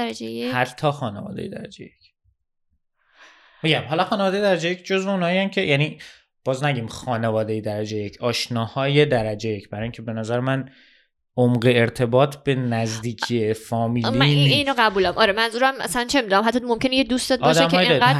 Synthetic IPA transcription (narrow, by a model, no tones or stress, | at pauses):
ɾæd͡ʒeehæt̪ʰːɒːxɒːnḛvɒ̰ːd̪ḛjed̪æ̰ɾæ̰d͡ʒḛjecʰ | miɟæmɦɒːlɒxɒːnevɒːd̪ej̞d̪æɾæd͡ʒejecʰd͡ʒozveunhɒːiæmcʰejʔæniː | b̥ɒːznæɟiːmxɒːne̞vɒːd̪ejed̪æɾæd͡ʒejecʰɒːʃnɒːhɒːje̞d̪æɾæd͡ʒejecʰbæɾɒːjiŋcʰebe̞næzæɾemæn | omɢeːɾt̪ʰe̞bɒːt̪ʰb̥e̞næzd̪iːcʰiefɒːmiːlininɒɣæbuːlæmʔɒːɾemænzuːɾæmʔæ̰slænt͡ʃʰe̞mid̪unæmɦæt̪ːɒmomcʰenejed̪uːst̪ɒːd̪ːʃd̪emeɒjɡæ